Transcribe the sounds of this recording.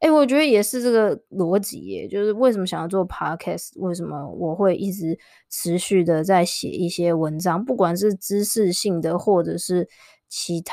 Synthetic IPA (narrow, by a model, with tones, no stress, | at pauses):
e˥˩wɔ˨˩t͡ɕɥɛ˧˥d̪ə˧jɛ˨˩ʂɻ̩˥˧ʈ͡ʂɤ˥˩ɡə˩lwɔ˧˥t͡ɕḭ˨˩ɛ̰˨˩t͡ɕjo˥˧ʊʂɻ̩˥˧we˥˩ɪʂ̬ə˧mə˧ɕjɑ˨ŋjɑ˥˧ʊt͡swɔ˥˩pʰɑ˥kʰɛ˥˩swe˥˩ɪʂ̬ə˧˥mə̰˦wɔ˨˩xwe˥˧ɪʔi˥˩ʈ͡ʂɻ̩˧˥˦ | ʈ͡ʂʰɻ̩˧˦˥ɕy˥˩d̪ə˨t͡sa˥˩ɪɕjɛ̰˨˩ʔi˥˩ɕjɛ˥wə˧˦nʈ͡ʂɑ˥ŋpu˥˩kwa˨˩nʂɻ̩˥˩ʈ͡ʂɻ̩˥ʂɻ̩˥˧ɕi˥˩ŋd̪ə˩xwɔ˥˩ʈ͡ʂɤ˨˩ʂɻ̩˥˩ | t͡ɕʰi˧˥t̪ʰ